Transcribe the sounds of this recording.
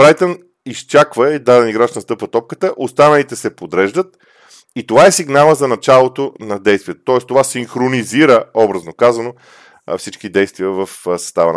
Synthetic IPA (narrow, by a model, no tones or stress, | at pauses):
bɾajt̪ən | ist͡ʃakvəid̪ad̪ɛniɡɾaʃnɐst̪ɤpvət̪ɔp̚kət̪əʔost̪anɐlit̪ɛsɛpod̪ɾɛʒd̪ət̪̚ | it̪ovaɛsiɡnalˠəzɐnɐt͡ʃalˠot̪onɐd̪ɛjst̪vijɛt̪ot̪ɔɛst̪ovasiŋxɾoniziɾəɔbɾəznokazɐno̰ | fsit͡ʃkid̪ɛjst̪viəvɐfsɐ̥st̪avən